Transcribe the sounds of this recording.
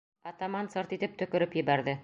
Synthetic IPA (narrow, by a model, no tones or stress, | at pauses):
ɐt̪amɑnsɤɾt̪it̪ɘp̚t̪ɵ̆kɵ̆ɾɘpjɘ̆bæɾðɘ